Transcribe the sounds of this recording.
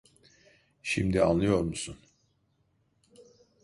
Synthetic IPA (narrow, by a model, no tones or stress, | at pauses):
ʃimd̪ianlˠɯjo̞ɾmusun